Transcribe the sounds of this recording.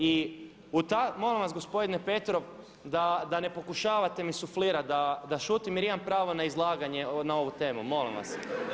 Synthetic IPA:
i | ut̪amo̞limʋasɡo̞spo̞d̪inepe̞t̪ɾo̞ʋ | d̪ad̪ane̞po̞kuʃaːʋat̪e̞misufliːɾad̪ad̪aʃuːt̪imjeɾimampɾaːʋo̞naizlˠaːɡaɲenao̞ʋut̪e̞ːmumo̞lḭmʋa̰s

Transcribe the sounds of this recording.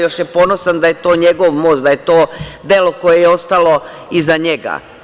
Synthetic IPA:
jo̞ʃjepo̞no̞sand̪ajet̪o̞ːɲe̞ɡo̞ʋmo̞st̪d̪ajet̪oːd̪e̞lo̞ko̞je̞jeo̞st̪alo̞ | izaɲe̞ɡa̰

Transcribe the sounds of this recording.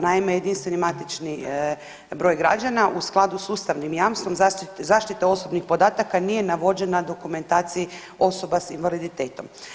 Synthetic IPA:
naimeje̞d̪inst̪ʋe̞nimat̪it͡ʃni | bɾo̞ːjɡɾa̰d͡ʒanaʔusklˠad̪usuːst̪aʋnimjamst̪o̞mzat̪t̪zaːʃt̪it̪eo̞so̞bnixpo̞d̪aːt̪akanije̞naʋo̞d͡ʒe̞nad̪o̞kume̞nt̪aːt̪siji | o̞so̞basinʋalid̪it̪e̞ːt̪o̞m

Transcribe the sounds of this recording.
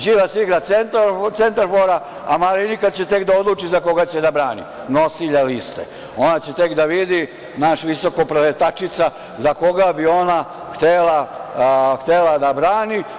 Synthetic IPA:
d͡ʒiːʋasiɡɾat̪sent̪t̪e̞nt̪aɾfoɾa | amalinikat̪t͡ɕe̞t̪e̞kd̪ao̞d̪lˠuːt͡ʃizako̞ɡat͡ɕed̪abɾaːnḭ | no̞siʎalist̪ḛ | onat͡ɕe̞t̪ekd̪aʋid̪i | naʃʋiso̞kopɾoet̪at͡ʃit̪sa | zako̞ɡabio̞na | xt̪ela | xt̪elad̪abɾaːni

